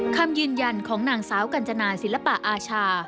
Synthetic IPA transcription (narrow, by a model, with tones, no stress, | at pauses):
kʰa˧mjɯː˧nja˧nkʰɔː˩˦ŋnaː˨˩ŋsaː˩˦wka˧˩nt͡ɕa˧naː˧si˨˩˦nla˧pa˨˩ʔaː˧t͡ɕʰaː˧